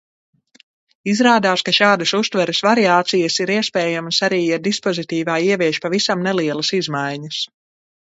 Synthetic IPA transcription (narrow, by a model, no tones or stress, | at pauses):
izɾaːd̪aːskaʃaːd̪ɐsust̪vɛɾɐsvaɾiaːt̪sijɐsiɾiɛspɛːjamɐsaɾiːjaɾd̪ispɔzit̪iːvaːiɛviɛʃpavisamnɛliɛlˠɐsizmajɲɐs